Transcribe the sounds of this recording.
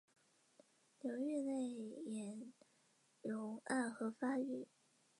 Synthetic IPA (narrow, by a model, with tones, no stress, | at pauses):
njo˧˥ʊɥy˥˧ne˥˩ɪjɛ˨˩ | jo˨˩˦ʊa˥˩nxɤ˧˥fa˥y˥˩˦